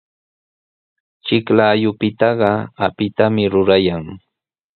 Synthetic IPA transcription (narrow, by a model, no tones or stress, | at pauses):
t͡ʃɪklaːjʊpɪt̪ɑɢɑapɪt̪amɪɾʊɾajaŋ